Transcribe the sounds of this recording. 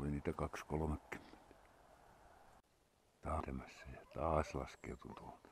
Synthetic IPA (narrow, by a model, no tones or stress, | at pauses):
oliniːt̪ækɑkskolomekːy̥mːe̥nt̪æ̥ | t̪ɑːt̪æmæsːæjɑt̪ɑːslɑ̰skḛut̪unt̪uho̥n